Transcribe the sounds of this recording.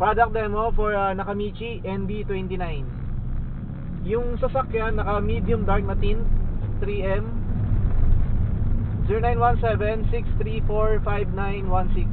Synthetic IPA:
pɹad̪ɐk̚d̪ɛmofɔɹɐnɐkɐmit͡ʃiʔɛnbit̪wɛnt̪inajn | jʊŋsɐsɐkjanːɐkɐmid̪jʊmd̪aɹk̚nɐt̪inɐt̪ɾiʔɛm | ziɹɾonãjnwãnsɛvɛnsikst̪ɾifoɹfajvnajnwansɪks

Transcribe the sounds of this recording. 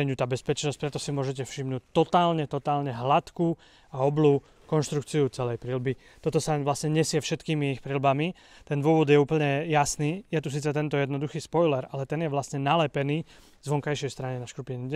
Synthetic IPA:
ɛɲut̪aːbɛspɛt͡ʃnɔsc̚pɾɛt̪ɔsimʊɔʒɛc̬ɛfʃimnuːc̚t̪ɔt̪aːlɲɛt̪ɔt̪aːlɲɛɦlat̪ku | aɔbluː | kɔnʃt̪ɾuk̚t͡siut͡sɛlɛjpɾilbi | t̪ɔt̪ɔsaʋlasɲɛɲɛsɪɛfʃɛt̪kiːmiixpɾilbami | t̪ɛnd̪ʊɔʋɔd̪jɛuːpl̩ɲɛjasniːjɛt̪us̬iːt͡sɛt̪ɛnt̪ɔjɛd̪nɔd̪uxiːspɔjlɛɾalɛt̪ɛnjɛʋlasɲɛnalɛpɛniː | zʋɔŋkajʃɪɛjst̪ɾaɲɛnaʃkɾupiniɛ

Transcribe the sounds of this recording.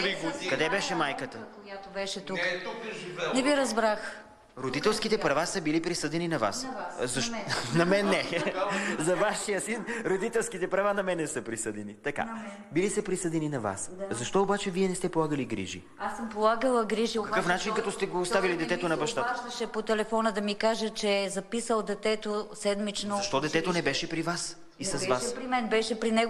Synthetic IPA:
ɾiɡkɐd̪ɛbɛʃɛmajkət̪əkojat̪obɛʃɛt̪uk | nɛviɾɐzbɾax | ɾod̪it̪ɛlˠskit̪ɛpɾɐvasəbilipɾisɤd̪ɛninɐva̰szɐʃnɐmɛnːɛ | zɐvaʃijəsinɾod̪it̪ɛlˠskit̪ɛpɾɐvanɐmɛnɛsəpɾisɤd̪ɛnit̪ɐka̰ | bilisəpɾisɤd̪ɛninɐva̰szɐʃt̪ɔobat͡ʃɛviɛnɛst̪ɛpolˠaɡəliɡɾḭʒḭ | asəmpolˠaɡəlˠəɡɾiʒikɐkəfnat͡ʃinkɐt̪ɔst̪ɛɡoːst̪avilid̪ɛt̪ɛt̪onɐbɐʃt̪at̪ɐʃɛpot̪ɛlɛfɔnəd̪ɐmikaʒət͡ʃɛzɐpisəlˠd̪ɛt̪ɛt̪osɛd̪mit͡ʃnoɐʃt̪ɔd̪ɛt̪ɛt̪onɛbɛʃɛpɾivas | isɐzvaspɾimɛnbɛʃɛpɾinɛɡ

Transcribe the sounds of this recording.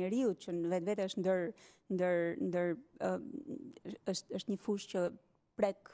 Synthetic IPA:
əɾiut̪̚cənvɛt̪vɛt̪ɛəʃt̪nd̪əɾ | nd̪əɾnd̪əɾ | əʃt̪əʃt̪ɲəfuʃcə | pɾɛk

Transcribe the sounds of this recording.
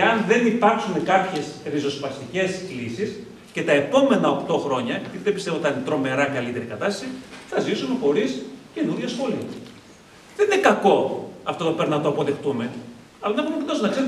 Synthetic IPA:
ɐnðe̞nipɐɾksune̞kɐpçe̞sɾizo̞spɐst̪ice̞slisis | ce̞t̪ɐe̞po̞me̞nɐo̞kt̪o̞xɾo̞ɲɐjɐt̪it̪iðebist̪evot̪ɐnint̪ɾo̞me̞ɾɐkɐlit̪e̞ɾikɐt̪ɐst̪ɐ̥siθɐzisumexo̞ɾisce̞nuɾʝɐsxo̞liɐ | ðeninekɐko̞ɐft̪ot̪opeɾnɐt̪oɐpo̞ðe̞xt̪ume̞ | ɐlɐnɐxumpit̪ɐsunɐkse̞ɾu

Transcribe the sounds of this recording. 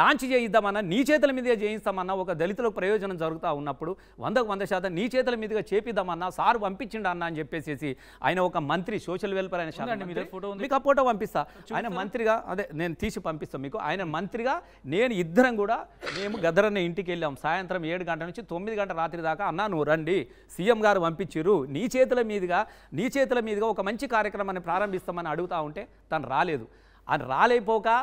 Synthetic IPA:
ɖaːnt͡ʃit͡ʃeːjid̪ːaːmɐnːaːniːt͡ʃɛːt̪̬ulɐmiːd̪ɐɡaːt͡ʃeːjinst̪aːmɐnːaːɔkɐd̪ɐlit̪ulokipɾɐjɔːd͡ʒɐnɐmd͡zɐɾuɡut̪aːunːɐpːuɽu | ʋɐ̰nd̪ɐkʋɐnd̪ɐʃaːt̪̬ɐmniːt͡ʃɛːt̪ulɐmiːd̪ɐɡaːt͡ʃe̞ːpid̪ːaːmɐnːaːsaːɾupɐmpiɲt͡ʃːiɳɖaɐnːaːɐnit͡ʃepːe̞ːse̞ːsi | a̰ːjɐnɐɔkɐmɐnt̪ɾisɔːʃɐlʋeːlpɐɾɐjinɐʃaːɐoomiːkaːpoːʈoːpɐmpist̪aːaːjinɐmɐnt̪ɾiɡaːɐ̰d̪eːne̞ːnut̪iːsipɐmpist̪aːmiːkuʔa̰ːjinɐmɐnt̪ɾiɡaː | ne̞ːnuid̪ːɐɾɐmkuːɽaːme̞ːmuɡɐd̪ʱɐɾɐnːiiɳʈik̬elːjaːmusaːjɐnt̪ɾɐme̞ːɽuɡɐɳʈɐnuɲt͡ʃit̪o̞mːid̪iɡɐɳʈɐɾaːt̪ɾid̪aːkaɐnːaːnuɾɐɳɖi | siːjemɡaːɾupɐmpiɲt͡ʃiɾuniːt͡ʃɛːt̪̬ulɐmiːd̪ɐɡaː | niːt͡ʃɛːt̪̬ulɐmiːd̪ɐɡaːɔkɐmɐɲt͡ʃikaːɾjɐkɾɐmaːnipɾaːɾɐmbʱist̪aːmɐniɐɽuɡut̪aːuɳʈe̞ː | t̪ɐnuɾaːle̞ːd̪u | a̰ːnɐɾaːleːjpɔːkaː

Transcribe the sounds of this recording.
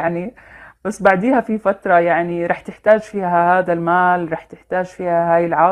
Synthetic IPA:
ʕnib̥asːbaʕd̪iːhafifat̪ɾˤɑjaʕniɾˤɑːħt̪ɪħt̪aːd͡ʒfiːɦahaːd̪almaːlɾˤɑːħt̪ɪħt̪aːʒfiːhahaːjɪlʕaː

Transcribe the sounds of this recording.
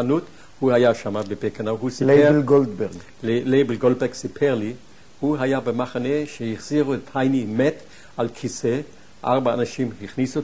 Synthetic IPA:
anut̪ | huhajaʃamabebekanaɦusilelɡold̪beʁɡ | lejbelɡold̚beɡsipʰeʁli | huɦajabemaχaneʃehiχz̥iʁuet̪hajnimet̪ | alkʰise | ʔaʁbaːnaʃimhiχnisu

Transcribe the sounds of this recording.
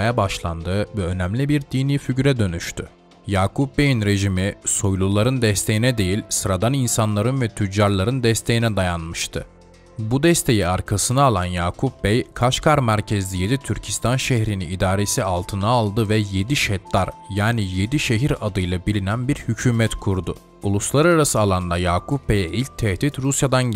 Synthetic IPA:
jabaʃlˠand̪ɯːvɛø̞næmlʲibiɾd̪iniːfyɟɾɛd̪ø̞nyʃt̪ʰy | jaːkʰup̚be̞jinɾe̞ʒimiso̞jlˠulˠaɾɯnd̪ɛst̪ʰe̞jinɛd̪e̞jilʲsɯɾad̪aninsanlˠaɾɯnvɛt̪ʰyd͡ʒːaɾlˠaɾɯnd̪ɛst̪ʰe̞jinɛd̪ajanmɯʃt̪ʰɯ | bud̪ɛst̪ʰe̞jiaɾkʰasɯnaːlˠanjaːkʰup̚bɛjkʰaʃkʰaɾmæɾcʰezd̪ijed̪it̪ʰyɾcʰist̪ʰanʃɛhɾiniid̪aːɾe̞sialˠt̪ʰɯnaːlˠd̪ɯvɛje̞d̪iʃɛt̪lʲaɾjaːnije̞d̪iʃeɦiɾad̪ɯjlˠabilʲinænbiɾhycʰyːmɛt̪kʰuɾd̪ʊ | ulˠuslˠaɾaɾasɯalˠand̪ajaːkʰupbejɛʔilʲc̚t̪ʰɛht̪ʰit̪ɾusjad̪an

